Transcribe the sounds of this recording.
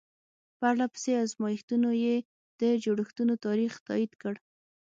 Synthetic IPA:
pəaɾlapə̥seazmɑjixt̪unoje | d̪̥əd͡ʒoɽəxt̪unot̪ɑɾixt̪ɑ̰id̪kəɽ

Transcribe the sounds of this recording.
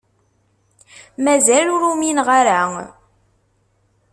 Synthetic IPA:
mæzælʊɾuminʁaɾæ

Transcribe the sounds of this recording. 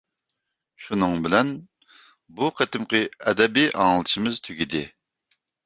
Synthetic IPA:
ʃunɨŋbɪlɛn | buqʰət̪ɪmqəɛd̪ɛbiʔɑŋəlˠɨʃimɪz̥t̪ʰyɡʲid̪ɪ

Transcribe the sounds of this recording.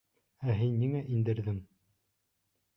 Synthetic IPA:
æɦinːiŋæʔind̪ɘ̆ɾðɘŋ

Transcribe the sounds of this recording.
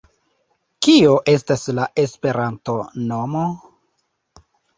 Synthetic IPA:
kio̞ʔe̞s̬taslaʔe̞spe̞ɾanto̞no̞mo̞

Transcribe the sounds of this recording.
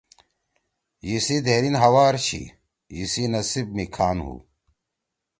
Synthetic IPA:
jisid̪ʱeɾinɦɐwaːɾɕʰḭ | jisinɐsib̚mikʰaːnɦṵː

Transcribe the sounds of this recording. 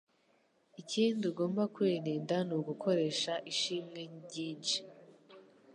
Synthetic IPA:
iciːnduɡo̞ːmbakweniːndanuɡukʰo̞ɾe̞ːʃaʔiʃiːmŋe̞ɟiːnt͡ʃi̥

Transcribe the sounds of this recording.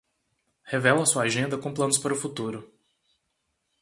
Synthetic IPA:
hevɛlɐsuɐaʒẽnd̪ɐkõplɐ̃nʊspaɾʊfut̪uɾʊ

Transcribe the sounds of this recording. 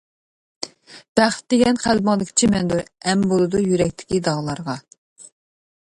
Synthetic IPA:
b̥æχt̪̚d̪eɡʲɛnχælbɨŋd̪ɨkʲʰi̥t͡ʃʰimɛnd̪uɛmbolˠɨd̪ujyɾɛkʲt̪ʰɪ̥kʲid̪ɑʁlˠɑɾʁɑ

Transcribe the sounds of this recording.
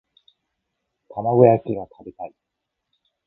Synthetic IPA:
t̪ʰamaɡɯjakʲiɡat̪ʰabʲit̪ai

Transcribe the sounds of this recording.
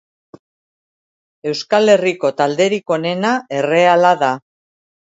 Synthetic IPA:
e̞wskale̞riko̞t̪ald̪e̞ɾiko̞ne̞nae̞re̞alaða

